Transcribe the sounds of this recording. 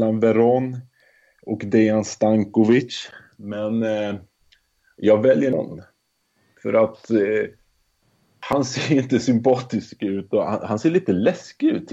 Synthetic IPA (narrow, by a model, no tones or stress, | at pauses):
lanvɛɾɔn | ɔkd̪ɛanst̪aŋkɔvɪtt͡ʃ | mɛn | jɑːɡvɛljəɳɔ̰nː | fœ̰ɾat̪ | hanseːɾɪnt̪əsʏmpʰɑːt̪ɪskʉ̟ːt̪ɔha̰hanseːɭiːt̪əlɛskɪʉ̟ːt̪ʰ